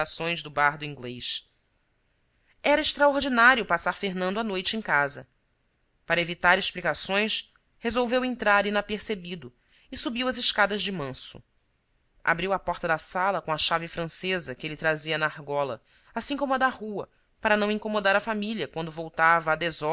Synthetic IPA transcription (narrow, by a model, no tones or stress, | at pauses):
asõj̃zd̪ʊbaɦd̪ʊĩŋɡleʃ | ɛɾɐeʃt̪ɾaoɾd͡ʒinaɾijʊpasaɾfeɦnɐ̃nd̪ʊanojt͡ʃɪẽj̃kazɐ | paɾɐevit̪aɾeʃplikasõj̃s | hezowvewẽnt̪ɾaɾinɐpeɾsebid̪ʊ | ɪsubiwɐzɪʃkad̪ɐʒd͡ʒɪmɐ̃sʊ̥̰ | a̰bɾiwɐpɔχt̪ɐd̪ɐsalɐkõɐʃavɪfɾɐ̃sezɐkɪelɪt̪ɾaziɐnaahɡɔlɐ̰ | asĩŋkõmʊɐd̪ɐhuɐ | paɾɐnɐ̃w̃ĩŋkomod̪aɾɐfamiliɐkwɐ̃nd̪ʊvowt̪avɐːd̪ezɔ